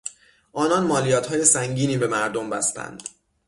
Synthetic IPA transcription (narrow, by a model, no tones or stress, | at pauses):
ʔɒːnɒnmɒːlijɒːt̪ʰhɒːje̞sæŋɟiːniːbe̞mæɾd̪ombæ̰st̪æ̰nd̪̥